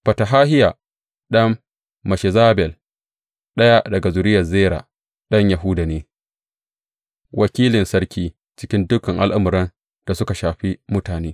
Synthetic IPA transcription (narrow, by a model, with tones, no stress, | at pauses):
ɸɐ˨ta˨ɦaː˦ɦɪ˦ja˨ | ɗɐ˦mː | ɐ˨ʃɛ˨zaː˦bɛ˨l | ɗɐ˦ja˦dɐ˨ɡa˨zʊ˨ɾɪ˦jɐ˨zeː˦ɾa̰ː˨ | ɗɐ˦ɲja˨ɦʊ˦da˨neː˦ | wʔɐ˨kʲiː˦lɪ˨nsɐ˦rkʲiː˦ | t͡ʃɪ̥˦kʲɪ˦ndʊ˦kɐ˨ŋʔa˨lʔa˦mʊ˨ɾɐ˦n | d̥a˨sʊ˦ka˨ʃaː˨ɸi˦mʊ˦taː˨neː˦